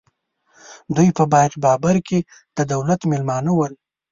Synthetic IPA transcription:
d̪ujpəbɑjqbɑbaɾke | d̪̥əd̪awlat̪mɪlmɑnəwəl

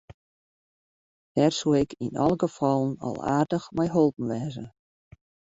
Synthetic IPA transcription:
d̥ɛrsuɪkinɑ̰lˠəɡəfɑlˠənɔ̰lˠa̰ːrdəxmɛjɦɔlˠpn̩ʋɛːzə̰

